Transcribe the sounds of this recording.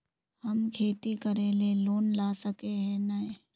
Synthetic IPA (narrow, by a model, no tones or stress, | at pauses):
hɐmkʰeːt̪ikɐɾeleloːnlaːsəkeɦɛ̃nae